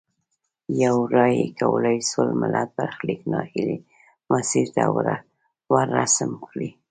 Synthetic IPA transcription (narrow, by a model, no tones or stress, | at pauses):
jawɾɑjekawəlajsolmalʔat̪̚baɾxliknɑhili | masiɾt̪awɾa | waɾːasəmkɽi